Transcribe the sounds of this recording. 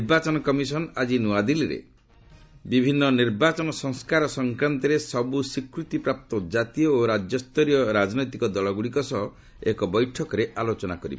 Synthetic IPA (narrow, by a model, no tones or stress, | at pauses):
ɾbat͡ʃɔnɔkɔmisɔnad͡ʒinuad̪iliɾḛ | bibʱinːɔniɾbat͡ʃɔnɔsɔŋskaɾɔsɔŋkɾant̪ɔɾesɔbusikɾut̪ipɾap̚t̪ɔd͡ʒat̪ijɔoɾad͡ʒjɔst̪ɔɾijɔɾad͡ʒnɔjt̪ikɔd̪ɔlɔɡuɽikɔsɔɦɔ | ekɔbɔjʈʰɔkɔɾeʔalot͡ʃɔnakɔɾḭb